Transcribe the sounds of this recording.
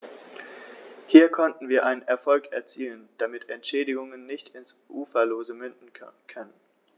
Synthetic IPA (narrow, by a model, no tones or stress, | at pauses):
hiːɐkʰɔntn̩viːɐʔaɪnənʔɛɐfɔlkɛɐt͡siːlənd̥amɪtɛntʃɛːdɪɡʊŋənːɪçtʰɪnsʔuːfɐloːzəmʏndn̩kʰœnən